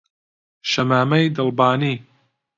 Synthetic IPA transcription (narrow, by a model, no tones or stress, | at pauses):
ʃɐmaːmɐjd̪ɨlˠbaːniː